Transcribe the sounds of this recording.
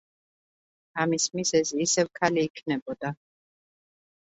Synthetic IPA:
amismizɛziːsɛvkʰaliːkʰnɛbɔd̪̥a

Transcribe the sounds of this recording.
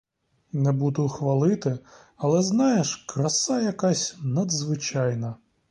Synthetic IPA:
nɛbud̪ʊxʋɐlˠɪt̪ɪ | ɐlˠɛznɑjeʃkɾɐsɑjɐkɑsʲnɐd̪zʋɪt͡ʃɑjnɐ

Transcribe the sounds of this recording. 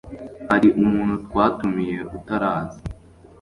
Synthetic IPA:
haɾiʔumuːnhutkwaːtumije̞ʔutaɾaːzi

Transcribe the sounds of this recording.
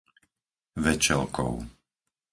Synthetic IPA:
ʋɛt͡ʃɛlkɔ̰ʊ

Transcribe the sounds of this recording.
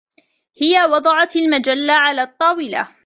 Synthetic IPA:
hɪjawɑd̪ˤɑʕɑt̪almad͡ʒalːaʕalaːt̪ˤːɑːwɪla̰

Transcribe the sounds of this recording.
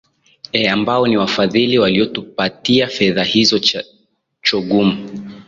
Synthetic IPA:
ɛambaɔniwafaðiliwaliɔtupatiafɛðahizɔ | t͡ʃɔɡumu

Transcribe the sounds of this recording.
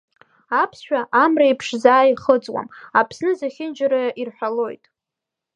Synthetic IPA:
apʰsʃᶣʷaʔamraipʰʂzaːjiχəd͡zʼwa̰mapʰsnɨzaχʲɪnd͡ʒaɾajaʔirħʷᶣalo̞jtʼ

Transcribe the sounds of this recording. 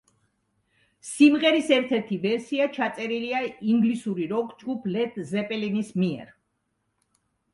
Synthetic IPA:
simʁɛɾisɛɾt̪ʰɛɾt̪ʰivɛɾsiat͡ʃʰat̪sʼɛɾiliaiŋɡlisuɾiɾɔkʰʼd͡ʒɡupʰlɛt̪ʰzɛpʼɛlinismiɛ̰ɾ

